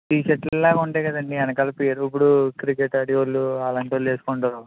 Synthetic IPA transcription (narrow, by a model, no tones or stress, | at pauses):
t̪iːt͡ʃɐʈɛlaːɡuɳʈeːɡɐd̪ɐɳɖiɐnɐkɐlɐpiːɐɾip̬ːuɽukɾikeʈɐɽiʋɐlːuaːlɐɳʈoːleːsu̥kuɳʈaːɾu